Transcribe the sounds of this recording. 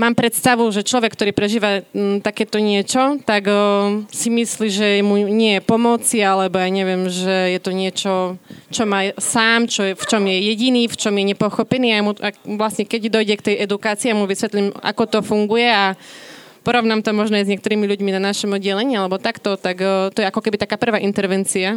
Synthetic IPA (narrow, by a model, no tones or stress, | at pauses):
maːmpɾɛt̪st̪aʋuʒɛt͡ʃlɔʋɛkːt̪ɔɾiːpɾɛʒiːʋat̪akɛːt̪ɔɲɪɛt͡ʃɔt̪aɡsimisliːʒɛmuɲɪɛjɛpɔmɔt͡sialɛbɔjaːɲɛʋɪɛmʒɛjɛt̪ɔɲɪɛt͡ʃɔt͡ʃɔmaːsaːmt͡ʃɔjɛft͡ʃɔmjɛjɛɟiniːft͡ʃɔmjɛɲɛpɔxɔpɛniːamuaʋlasɲɛkɛɟd̪ɔjɟɛkt̪ɛjʔɛd̪ukaːt͡siiːamuʋisʋɛt̪lima̰kɔt̪ɔfuŋɡujɛa | pɔɾɔʋnaːmt̪ɔmɔʒnɔajzɲɪɛkt̪ɔɾiːmiʎuɟminanaʃɔmɔd̪ɟɛlɛɲiːalɛbɔt̪akt̪ɔt̪akt̪ɔjɛakɔkɛbit̪akaːpr̩ʋaːʔint̪ɛɾʋɛnt͡sia